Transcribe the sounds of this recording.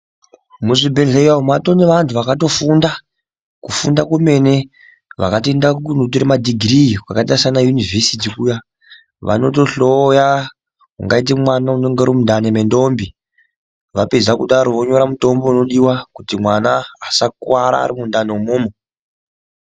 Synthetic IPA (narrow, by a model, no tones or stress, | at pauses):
muʐibʱeɮejaumato̞ne̞ʋantʰuʋakato̞funda | kufundakume̞ne̞ | ʋa̰katoendakkunot̬oɾemadʱiɡʱrikwakataisanajunivʱesit̬ikuːja | ʋa̰no̞to̞ɬoja | kṵŋɡait̬emwanaune̞ŋɡeɾomundanemendombi | ʋaped͡zakuɗaɾo̞ʋoɲo̞ɾamuto̞mbo̞no̞ɗiwakutimwanaːsakwaɾa̰ːɾimundanoumoːmo